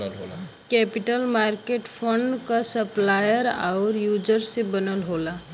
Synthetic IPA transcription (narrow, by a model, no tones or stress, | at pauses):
kɛpɪʈəlmaːɾkeʈpʰəɳɖkasəplaːjəɾa̰ʊɾjuːd͡ʒəɾsebənəlɦola